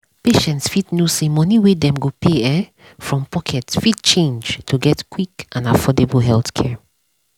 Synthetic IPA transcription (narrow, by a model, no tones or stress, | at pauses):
peʃɛ̃ntsfitnosemɔniwedɛ̃mɡopeɛ | fɹɔ̃mpʰɔkʰɛtfit̚t͡ʃẽnd͡ʒtʰuɡɛtkwikʔãnafɔdebəlɦɛlθkʰɛ